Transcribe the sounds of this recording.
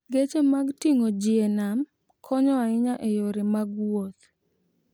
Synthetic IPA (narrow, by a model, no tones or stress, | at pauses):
ɡet͡ʃemaɡtiŋod͡ʒienam | kʰɔɲɔaɪɲaʔejoɾemaɡwot̪